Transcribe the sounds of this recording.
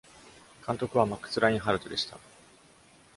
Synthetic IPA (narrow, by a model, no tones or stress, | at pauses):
kãnt̪o̞kɯ̟βamakːɯ̥t͡sɨɾaĩɦaɾɯ̟t̪od̪e̞ɕi̥t̪a̰